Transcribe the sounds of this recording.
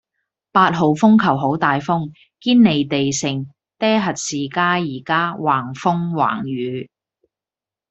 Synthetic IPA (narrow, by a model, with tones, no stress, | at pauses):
paː˧t̚ɦo˨wfʊ˥ŋkʰɐ˨˩wɦo˨˥wt̪aː˨jfʊ˥ŋ | kiː˥nne˨jt̪e˨jsɪ˨˩ŋ | t̪ɛː˥ɦɐ˨t̚siː˨kaː˥jiː˨˩kaː˥waː˨˩ŋfʊ˥ŋwa̰ː˨˩ŋjyː˨˥